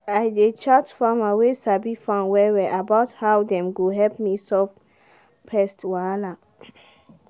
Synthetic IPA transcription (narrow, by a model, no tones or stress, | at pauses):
ajdet͡ʃad͡ʒfɔmawesabifãnwɛwɛʔabaʊthawdɛ̃mɡoɦɛlp̚misɔf | pʰɛstwala